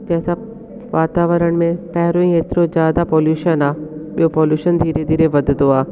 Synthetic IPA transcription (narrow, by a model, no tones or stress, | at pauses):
d͡ʑɛːsa | ʋaːt̪aːʋəɾəɽ̃̆mẽpɛɦɾõĩet̪ɪɾozjaːd̪apɔːljuːʃənaːɓijopoːljuːʃənd̪ʱiːɾed̪ʱiːɾeʋɐd̪ʱɪnd̪oaː